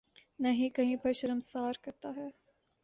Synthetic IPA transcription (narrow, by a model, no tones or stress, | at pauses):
nɐɦĩkɐɦĩpɐʃɾəmsaːɾkɐɾt̪aɦɛː